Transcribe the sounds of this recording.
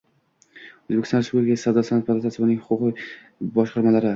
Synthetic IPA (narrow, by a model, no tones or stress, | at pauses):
ɵzbekʲɪst̪nɾsuɾɡʲasawd̪asanapʰakulˠt̪ʰat̪ʰɪbɪnɪŋhʊqʰʊqɨ | bɒʃqɑɾmalaɾɪ